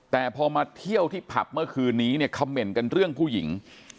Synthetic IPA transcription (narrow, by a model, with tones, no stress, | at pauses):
t̪ɛː˨˩pʰɔː˧maː˧t̪ʰi˥˩əwt̪ʰiː˥˩pʰa˨˩p̚mɯ˥˩ɐkʰɯː˧nːiː˦˥ni˥˩ɐkʰa˧mːe˨˩nka˧nɾɯ˥˩əŋpʰuː˥˩ji˩˦ŋ